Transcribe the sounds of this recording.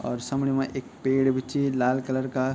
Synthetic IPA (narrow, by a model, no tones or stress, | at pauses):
ɔ̰ːɾsɐmɽimãʔeːk̚peːɽbʱɪt͡ʃilaːlkələɾka